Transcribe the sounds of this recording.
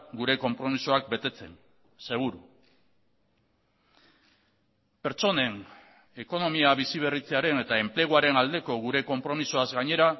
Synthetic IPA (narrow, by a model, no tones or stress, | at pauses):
ɡuɾe̞ko̞mpɾo̞misoak̚be̞t̪e̞t͡se̞n | se̞ɣ̞uɾu | pe̞ɾt͡so̞ne̞n | e̞ko̞no̞miaβ̞isiβ̞e̞rit͡se̞aɾe̞ne̞t̪ae̞mple̞ɣ̞oaɾe̞nald̪e̞ko̞ɣ̞uɾe̞ko̞mpɾo̞misoazɡaɲe̞ɾa